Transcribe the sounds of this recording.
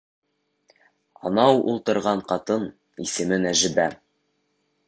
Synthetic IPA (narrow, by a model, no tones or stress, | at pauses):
ɑ̰nɑwṵlˠt̪ɤ̆ɾʁɑɴqɑt̪ɤn | isɘ̆mɘnæʒɘ̆bæ